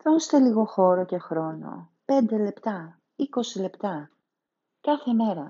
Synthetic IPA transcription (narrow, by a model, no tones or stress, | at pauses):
ðonst̪e̞liɣo̞xo̞ɾo̞ce̞xɾo̞no̞̰ | pe̞nd̪e̞le̞pt̪ɐ | iko̞sile̞pt̪ɐ | kɐθe̞me̞ɾɐ